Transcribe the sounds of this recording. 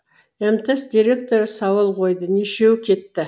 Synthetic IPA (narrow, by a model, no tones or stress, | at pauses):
emt̪esd̪ʲiɾʲe̞kt̪o̞ɾəsɑwəlˠqʰo̞jd̪əneʃe̞wkʲʰe̞t̪ːɪ